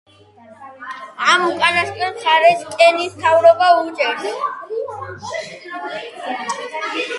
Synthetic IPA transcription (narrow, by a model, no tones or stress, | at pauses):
amukʼanaskʼɛt̪ʰaɾɛskʼɛnist̪ʰavɾɔbaut͡ʃʼɛɾ